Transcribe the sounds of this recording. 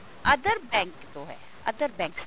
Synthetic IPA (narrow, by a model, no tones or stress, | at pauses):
ɐd̪əɾbɛ̃ːŋkt̪oɦɛ̰ | ɐ̰d̪əɾbɛ̃ːŋk